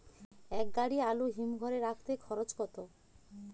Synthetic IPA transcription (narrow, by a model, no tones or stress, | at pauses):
ɛk̚ɡaɽialuɦimɡʱɔɾeɾakʰt̪ekʰɔɾot͡ɕkɔt̪o